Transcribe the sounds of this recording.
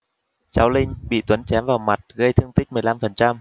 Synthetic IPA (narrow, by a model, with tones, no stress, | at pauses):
t͡ɕaː˨˦wlï˧ŋ̟ɓḭ˧˨t̪wə˨˦nt͡ɕɛ˨˦mvaː˨˩wma˨˩t̚ɣə˧jt̪ʰɨ˧əŋt̪i˦˥k̚mɨ˨˩əjla˧mfə˨˩nt͡ɕa˧m